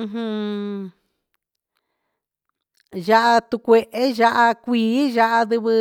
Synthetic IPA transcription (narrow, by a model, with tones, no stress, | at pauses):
ɦɨ̃˧ | ʒa˦ʔa˧t̪u˧kʷe˧ʔe˦ʒa˦ʔa˧kʷiː˨˦ʒa˦ʔa˧ðɨ˧βɨ˧